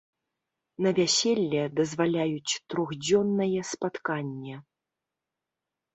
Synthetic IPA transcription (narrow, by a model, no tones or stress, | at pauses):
nɐvʲasʲɛlʲːɛd̪ɐzvalʲajut͡sʲt̪ɾɔɣd͡zʲɔnːɐjɛspat̪kanʲːɛ